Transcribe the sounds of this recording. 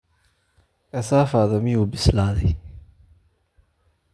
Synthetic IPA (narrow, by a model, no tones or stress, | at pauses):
kʰɐsaːfaːðɐmɪjubɪslaːðɛ